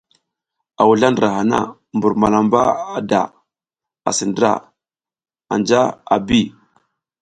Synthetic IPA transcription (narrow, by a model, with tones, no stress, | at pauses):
a˨wu˨ɮa˦ndɾa˨ha˨na̰˦˨ | mbu˨ɾma˨la˨mba˦a˨da˨ | a̰˨sə˨ndɾa̰˦˨ | a̰˨nd͡ʒa˦a˨bi˦˨